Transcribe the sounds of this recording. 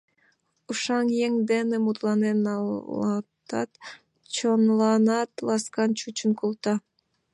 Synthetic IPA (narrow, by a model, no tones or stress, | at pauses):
uʃɑŋjeŋd̪enemut̪lˠɑnenɑlɑt̪ɑ̰t̪ | t͡ʃʰonlˠɑnɑt̪lˠɑskɑnt͡ʃʰut͡ʃunkʰulˠt̪ɑ